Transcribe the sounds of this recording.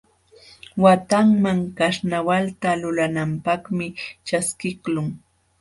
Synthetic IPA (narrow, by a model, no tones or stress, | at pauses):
wat̪aŋmaŋkaʃnawalt̪alʊlanampaχmɪt͡ʃaskɪklʊŋ